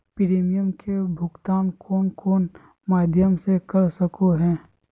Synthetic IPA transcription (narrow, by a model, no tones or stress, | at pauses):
pɪɾeːmɪjəmkʰebʱʊɡt̪aːnkoːnkʰoːn | maːd̪ʱjəmsekɐɾsəkoɦɛ̃ː